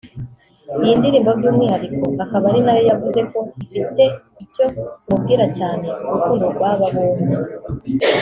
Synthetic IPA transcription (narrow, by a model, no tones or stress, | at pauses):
ijiːndiɾiːmbobɟuːmŋiːhaɾiko̞akaβaɾinajojavuze̞ko̞ifite̞ | ico̞mub̚ɡiːɾacaːne̞uukuɾoɡwaːβaβone